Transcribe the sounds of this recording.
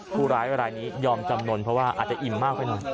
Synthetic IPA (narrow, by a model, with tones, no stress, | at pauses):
pʰuː˧˩ɾaː˦˥jɾaː˧jniː˦˥jɔː˧mt͡ɕa˧mnu˧ənpʰɾɔ˦˥waː˥˩ʔaː˨˩t̪̚t͡ɕa˨˩ʔi˨˩mːaː˥˩k̚ʰːɔ˥˩jnɔ˨˩j